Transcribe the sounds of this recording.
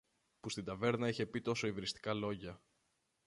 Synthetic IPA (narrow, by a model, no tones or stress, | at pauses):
pust̪ind̪ɐve̞ɾnɐiçe̞pit̪o̞so̞ivɾist̪i̥kɐlo̞ʝɐ